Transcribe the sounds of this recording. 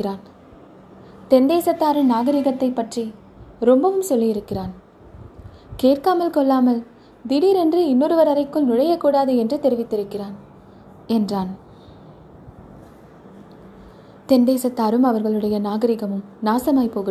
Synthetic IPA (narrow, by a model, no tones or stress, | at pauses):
ɪɾaːn | t̪ɛnd̪eːsɐt̪ːaːɾɯmnaːɣɐɾɪɣɐt̪ːɐɪpːɐʈri | ɾɔmbɐʋɯmsɔlːijɪɾɯkːɪraːn | keːrkaːmɐlkɔɭːaːmɐl | d̪ɪɽiːɾɛndrɯɪnːoːɾɯʋɐɾɐɾɐɪkːɯlnʊɻɐjɐkːuːɽaːðɯɛndrɯt̪ɛɾɪʋɪt̪ːɪɾɯkːɪraːn | ɛndraːn | t̪ɛnd̪eːsɐt̪ːaːɾɯmɐʋɐɾɣɐɭɯɽɐjɐnaːɣɐɾɪɣɐmɯmnaːsɐmaːjpoːɣɪ